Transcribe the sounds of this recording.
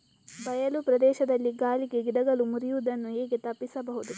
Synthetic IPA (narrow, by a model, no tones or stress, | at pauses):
bɐjɐlupɾɐd̪ɛːʃɐd̪ɐlːiɡaːliɡeɡid̪ɐɡɐlumuɾijuud̪ɐnːueːɡet̪ɐpːisɐbɐɦud̪u